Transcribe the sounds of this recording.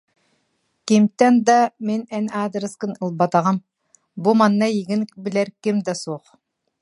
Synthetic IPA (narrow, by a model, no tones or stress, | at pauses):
kʲemt̪ænd̪ɑmenænaːd̪ɾɨskənəlˠbɑt̪ɑʁɑm | bumɑnːɑjiɡʲɪnbɪlæɾkʲɪmd̪ɑsoq